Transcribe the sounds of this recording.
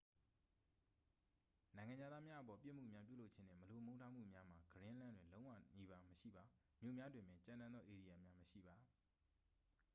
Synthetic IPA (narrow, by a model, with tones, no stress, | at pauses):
nã˨ɪ̃ŋã˨ɲd͡ʑa˦˨d̪ða˦mja˦ʔəpɔ˨pjɪ̰̃˦˨m̥ṵ˦˨mja˦p̬jṵ˦˨lo˦ʔt͡ɕʰɪ̃˦n̥ɛ̰̃˦˨mə˨lo˨mõ˦ʊ̃ntʰa˦m̥ṵ˦˨mja˦m̥a˨ɡəɾɪ̃˦ʔlã˦ndwɪ̃˨lõ˦ʊ̃wä̰˦˨ni˦ba˦məʃḭ˦˨ba˨ | mjo̰˦˨mja˦dwɪ̃˨mɪ̃˨t͡ɕã˦˨nã˦nd̪ðɔ˦ʔe˨di˨ja˨mja˦məʃḭ˦˨ba˨